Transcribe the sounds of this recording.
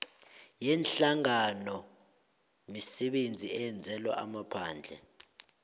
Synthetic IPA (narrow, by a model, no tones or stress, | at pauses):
jɛnɬaŋanɔ | misɛɓend͡zʱiɛɛnd͡zʱɛlwa̰ʔamapʰaːnd͡ɮʱɛ̰